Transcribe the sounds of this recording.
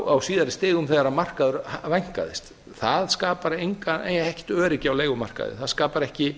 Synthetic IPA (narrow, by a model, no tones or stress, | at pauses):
awsiːðaɾɪst̪ɪːɣʏmθɛɣaɾamar̥kaðʏɾhavajŋ̥ka̰ðɪ̰st̪ | θaðskaːpaɾejŋkanḛjɛhcɪ̥t̪œːɾɪcɪawleːjɣʏmar̥ka̰ðɪ̰θaðskaːpaɾɛhcɪ